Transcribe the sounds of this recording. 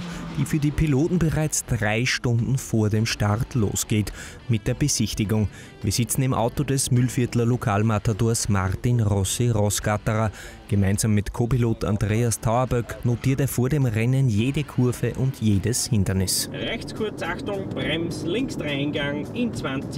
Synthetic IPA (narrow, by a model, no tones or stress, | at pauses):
d̥iːfyːɐdiːpʰiloːtn̩bəʁaɪt͡sd̥ʁaɪʃtʊ̃ndn̩foːɐdeːmʃtaʁtʰlo̰ːsɡ̥eːt | mɪt̚d̥eːɐbəz̥ɪçtɪɡʊŋ | viːɐz̥ɪt͡sn̩ɪmʔa̰ʊtodɛsmʏlfɪɐtlɐlokʰaːlmatadoːɐsmaʁtɪnʁɔsiʁɔsɡ̥ataʁa | ɡ̥əmaɪnzaːmːɪtkʰoːpiloːtʰã̰ndʁeːastʰaʊɐbœknotʰiːɐteːɐfoːɐdeːmʁɛnənjeːdəkʰʊɐvəʔʊntjeːdəshɪndɐnɪsʁɛçt͡skʰʊɐt͡saxtʊŋb̥ʁɛmslɪŋksd̥ʁaɪnɡaŋɪnt͡sv̥ant͡s